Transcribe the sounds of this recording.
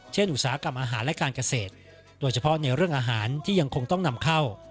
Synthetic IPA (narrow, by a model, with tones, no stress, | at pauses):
t͡ɕʰe˥˩nʔu˨˩saː˩˦a˦˥ka˧mʔaː˧ɦaː˩˦nlɛ˦˥kaː˧nka˧seː˨˩t̪̚ | doː˧jt͡ɕʰa˧pʰɔ˦˥na˧jɾɯ˥˩əŋʔaː˧ɦaː˩˦nt̪ʰiː˥˩ja˧ŋkʰo˧ŋt̪ɔ˥˩ŋna˧mkʰa˥˩w